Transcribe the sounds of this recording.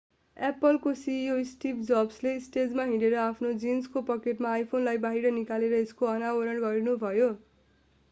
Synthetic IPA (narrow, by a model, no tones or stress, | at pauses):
epʌlkosiosʈipd͡zʌbsleːsʈed͡zmaɦĩɽeɾʌapʰnod͡zinskopʌkeʈmaːjpʰonlajbaɦiɾʌnikaleɾʌeskoʌnawʌɾʌɳɡʌɾinubʱʌjo